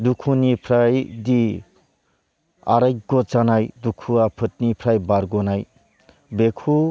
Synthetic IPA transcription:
dukʰunipʰɾajdi | a̰ɾajɡɔt͡ʃanajdukʰuapʰɯt̚nipʰɾajbaɾɡɔnaj | bekʰu

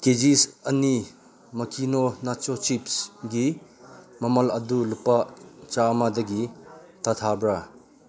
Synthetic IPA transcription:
ked͡ʒisɐni | mɐkʰinonat͡ʃot͡ʃipsɡi | mɐmɐlɐdulupat͡ʃamadɐɡitat̪ʰabɾa

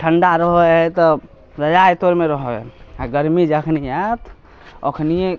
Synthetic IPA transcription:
ʈʰəɳɖaɾəɦɔɛt̪ɔ | ɾəd͡ʒajt̪oɾmeɾəɦɔaɡəɾmid͡ʒəkʰnijət̪ʰ | o̰kʰnije

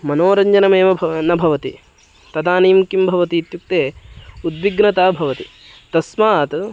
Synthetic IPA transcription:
mɐnoːɾɐɲd͡ʒɐnɐmeːmɐbʱnɐbʱɐʋɐt̪i | t̪ɐd̪aːniːmkimbʱɐʋɐt̪iːt̪juk̚t̪eːud̪ʋiɡnɐt̪aːbʱɐʋɐt̪i | t̪ɐsmaːt̪

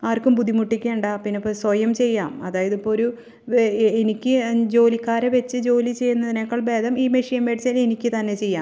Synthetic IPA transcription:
aːrkːumpud̪imuʈːikʲːeuɳɖaːpinːepːoːswɐjɐmt͡ɕe̞jːaːmɐðaːjɐðipːoːɾu | enikʲːɨd͡ʑo̞ːlikːaːɾeʋet͡ɕːɨd͡ʑo̞ːlit͡ɕe̞jːunːɐðinekːɐɭbe̞ːd̪ɐmiːmeʂɐjɐmʋeːʈt͡ɕaːle̞nikʲːɨt̪ɐnːe̞t͡ɕe̞jːaːm

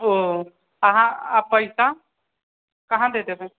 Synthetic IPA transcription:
o | aɦãːpəjsa | kɐɦãd̪eːt̪ebẽ

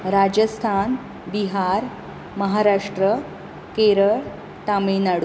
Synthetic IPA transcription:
ɾad͡ʑəst̪ʰan | biɦaɾ | məɦaɾaʂʈɾə | keɾəɭ | t̪aminaɽu

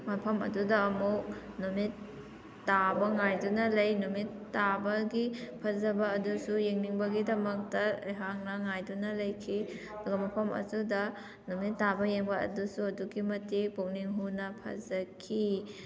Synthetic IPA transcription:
mɐpʰɐmɐ̰dudɐːmuk̚ | numitː | abɐŋajdunɐlɐjnumitːabɐɡipʰɐzɐbɐːdusujeŋniŋbɐɡidɐmɐk̚tɐ̰jɦaŋnɐŋajdunɐlɐjkʰi | ɐduɡɐmɐpʰɐmɐ̰dudɐ | numitːabɐjeŋbɐɐ̰dusuɐduɡimɐtipok̚niŋɦunɐpʰɐ̰zɐkʰi

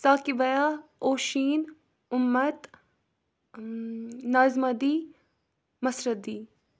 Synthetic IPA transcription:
saːkiʋɐjaoːʃiːn | ʊmːɐt̪ | naːzmɐd̪i | mɐsɾɐd̪iː

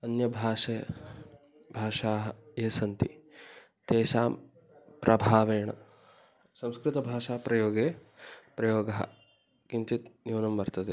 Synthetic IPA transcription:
ɐnjɐbʱaːʂeː | bʱaːʃaːɦɐeːsɐnt̪i | t̪eːʃaːm | pɾʔɐbʱaːʋeːɳɐ̰ | sɐmskɾit̪ɐbʱaːʂaːpɾɐjoːɡeːpɾɐjoːɡɐɦɐ̰ | kint̪it̪njuːnɐmʋɐɾt̪ɐd̪e

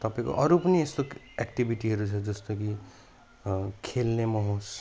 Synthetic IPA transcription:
t̪ʌpãĩko̰ʔʌɾupʌniest̪o | ekʈibʱiʈiɦʌɾut͡sʰʌd͡zʌst̪oki | kʰelnemʌɦõs

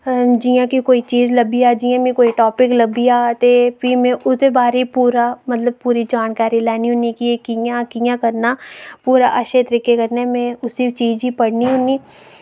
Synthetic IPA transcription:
d͡ʒijãːkikoːiːt͡ʃiːd͡ʒləbiːaːd͡ʒɪːãːmẽːkoːiʈɔːpɪkləbiːaːt̪eːpʰiːmẽːʔʊd̪eːbaːɾepuːɾaːmət̪ləb̚puːɾiːd͡ʒaːnkaːɾiːlɛːniːɦʊniːkieːkijãːkijãːkəɾnaːpuːɾa̰ːʔəʃet̪əɾiːkekəɾneɛmẽːʊsit͡ʃiːd͡ʒiːpəɽniːɦʊniː

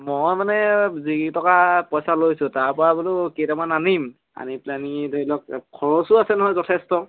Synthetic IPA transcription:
mojmanɛzitɔkapɔjsalojsʊ̃taɹpɔɹabulʊketamananim | a̰niplanideilɔkkʰɔɹɔsʊasɛnɔɦɔjzɔtʰɛstɔ

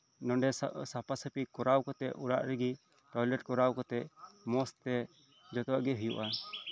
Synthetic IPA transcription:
nɔɖɛsapasəpikɔɾawkɔt̪ɛʔuɾa̰ʔɾɛɡi | ʈɔjlɛʈ̚kɔɾawkɔt̪ɛʔmɔst̪ɛ | d͡ʒɔt̪ɔwaʔɡɛɦujṵʔa

